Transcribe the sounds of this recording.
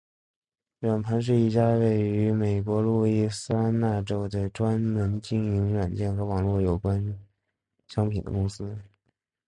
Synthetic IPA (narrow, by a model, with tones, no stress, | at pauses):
ɻa˨˩npʰa˧˥nʂ̬ɻ̩˥˧i˥˩t͡ɕja˥we˥˩ɪy˧˥me˨˩ɪk̬wɔ˧˥lu˥˧i˥˩sɹ̩˥a˥nna˥˩ʈ͡ʂo˥ʊd̪ə˨ʈ͡ʂwa˥nmə˧˥nt͡ɕi˥˩ŋi˧˥ŋɻwa˨˩nt͡ɕjɛ˥˩nxɤ˧˥wɑ˨˩ŋlwɔ˥˩jo˨˩ʊkwa˥n | ɕjɑ˥ŋpʰi˨˩nd̪ə̰˦kʊ˥ŋsɹ̩˥